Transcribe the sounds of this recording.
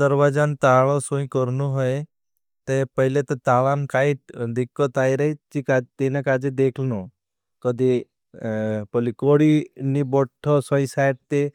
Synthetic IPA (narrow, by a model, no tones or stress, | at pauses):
d̪əɾʋad͡ʒant̪aːɭosũĩkɔɾnuɦɔe | t̪epəɦilet̪ɔt̪aːlaːnkaːid̪ikːɔt̪aːiɾəɦit͡ʃikat̪inãkaːd͡ʒed̪eːkʰno | kəd̪ʱi | pɔlikoɽinibɔʈʰːɔsɔ̃ĩsaːjʈ̚t̪e